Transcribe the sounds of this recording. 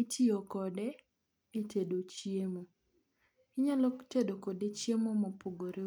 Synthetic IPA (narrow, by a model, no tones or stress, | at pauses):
itiokɔdɛ | etedot͡ʃiemo | kɪɲalɔtedokɔdet͡ʃjemomopoɡoɾe